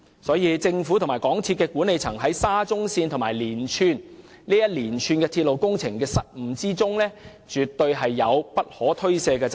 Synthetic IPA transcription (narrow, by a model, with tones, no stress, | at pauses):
sɔː˨˥jiː˨˧t͡sɪ˧ŋfuː˨˥t̪ʰmː˨˩jkɔː˨˥ŋt͡sʰiː˧t̚kɛː˧kuː˨˥ne˨˧jt͡sʰɐ̰˨˩ŋɦɐ˨˥jsaː˥t͡sʊ˥ŋsiː˧nt̪ʰʊ˨˩maː˨˩jliː˨˩nt͡ʃʰyː˧n | liː˥jɐ˥t̚liː˨˩nt͡ʃʰyː˧nkɛː˧t̪ʰiː˧t̚lo˨wkʊ˥ŋt͡sʰɪ˨˩ŋkɛː˧sɐ˥t̚m̩˨˧˥t͡siː˥t͡sʊ˥ŋlɛː˥ | t͡ʃyː˨t̪ːɵ˧ɥɦɐ˨jːɐ˨˧wpɐ˥t̚hɔː˨˥t̪ʰɵ˥ɥsɛː˧kɛː˧t͡s